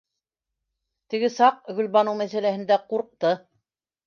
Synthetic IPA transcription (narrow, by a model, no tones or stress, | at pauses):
t̪ɘ̆ɡɘsɑqɡɵ̆lβɑnɤwmæθælæhɘ̆nd̪æquɾq̚t̪ɤ